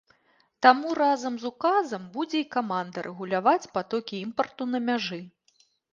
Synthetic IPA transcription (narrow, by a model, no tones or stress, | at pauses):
t̪amuɾazɐmzukazɐmbud͡zʲɛikamand̪ɐɾʔɛɣulʲavat͡sʲpat̪ɔkʲiimpɐrt̪unɐmʲaʐɨ